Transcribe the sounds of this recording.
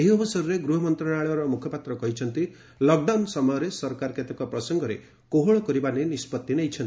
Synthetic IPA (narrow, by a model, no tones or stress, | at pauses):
eɦiɔbusaɾɔɾeɡɾuɦɔmɔnt̪ɾaɽ̃aɭɔɾɔmukʰjɔpat̪ɾɔkɔɦit͡ʃʰɔnt̪i | lɔk̚ɖawnsɔmɔjɔɾesɔɾkaɾɔket̪ɔkɔpɾɔsɔŋɡɔɾḛ | koɦɔɭɔkɔɾibanenispɔt̪ːineɦjt͡ʃʰɔnt̪i